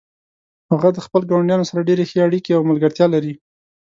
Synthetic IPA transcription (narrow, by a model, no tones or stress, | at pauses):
haɣad̪əxpəlɡawaɳɖjɑnosaɾaɖeɾexeaɽikeawməlɡəɾt̪jɑlaɾi